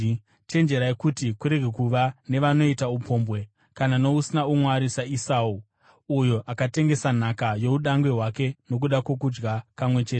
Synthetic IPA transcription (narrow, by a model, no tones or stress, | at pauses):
t͡ʃe̞nd͡ʒe̞ɾajekutikuɾe̞ɡʱekuʋane̞ʋano̞itaupʰo̞ːmbwe | kananousinaumwaɾisaisau | ujo̞ʔakate̞ŋɡe̞san̤akajo̞uɗaŋɡwe̞ɦwake̞no̞k̬uɗakwo̞k̬ud͡ʒɡapamwe̞t͡ʃe̞ːte